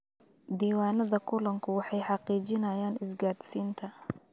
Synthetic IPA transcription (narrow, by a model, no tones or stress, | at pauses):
d̪iːwaːnɐðɐkʰʊlɐŋkʰʊwɑħɑjħɑqiːt͡ʃɪnɐjaːnɪsɡaːd̪siːnt̪ʰɐ